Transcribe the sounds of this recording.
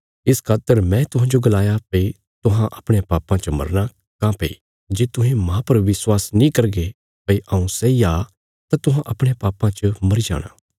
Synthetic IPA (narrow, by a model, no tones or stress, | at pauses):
ɪskʰaːt̪ːəɾmɛ̃t̪ʊɦãːd͡ʒoɡɐlaːjapɐi | t̪ʊɦãʔɐpɽ̃epaːpãt͡ʃəmɐ̰ɾña | kãpḛḭ | d͡ʒeːt̪ʊɦẽmãpɐɾʋɪswaːsnĩkɐɾɡe | pɐiʔɐ̃ũsɛiaː | t̪at̪ʊɦãʔɐpɽ̃epaːpãt͡ʃəmɐɾid͡ʒa̰ːɽ̃a̰ː